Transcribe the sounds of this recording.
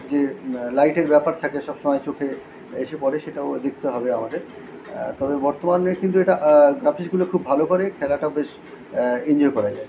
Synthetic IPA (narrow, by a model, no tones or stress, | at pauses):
d͡ʑelajʈeɾbɛpaɾt̪ʰakeʃɔb̥ʃomɔet͡ɕokʰe | eʃepɔɾeʃeʈaod̪ek̚ʰt̪eɦɔbeamad̪eɾ | t̪ɔbebɔɾt̪omanekint̪ueʈaɡɾafiʃɡulokʰubːʱalokoɾekʰɛlaʈaobeʃ | ind͡ʑɔɾkɔɾad͡ʑae